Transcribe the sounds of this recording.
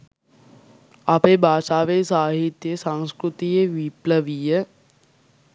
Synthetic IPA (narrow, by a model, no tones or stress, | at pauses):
apeːbʱaːʃaːʋesaːɦit̪jəsãŋskɾut̪ijeʋipləʋijə